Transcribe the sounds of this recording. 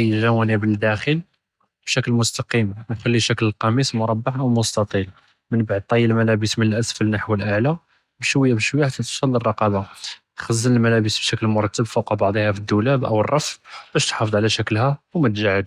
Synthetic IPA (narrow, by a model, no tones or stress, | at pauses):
jəʒæwænibəld̪æxəl | bʃæklmʊst̪ɑqimnxælːiʃækləlqɑmismʊɾˤɑbːɑʕʔawmʊst̪ɑt̪ˤil | mənbaʕd̪̚t̪ˤɑjːəlmælæbəsmənəlʔæsfəlnaħwəlʔaʕla | bʃwəjːabəʃwjːahæt̪æt̪ʃɑlːərˤːɑqɑba | xæzːənəlmælæbəsbʃæklmʊɾˤɑt̪ːəbfuqɑbɑʕd̪ˤihæfid̪ːulæbʔə̰wərˤːɑfb̥æʃt̪ħɑfəd̪ˤʕlæʃæklhæwmæt̪ʒaʕəd̪